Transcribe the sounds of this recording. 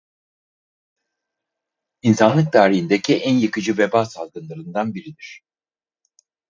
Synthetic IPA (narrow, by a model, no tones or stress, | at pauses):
insanlˠɯk̚d̪aːɾiɦind̪ecʰiʔænjɯkɯd͡ʒɯvɛbaːsalˠɡɯnlˠaɾɯnd̪anbiɾid̪iɾ̝̥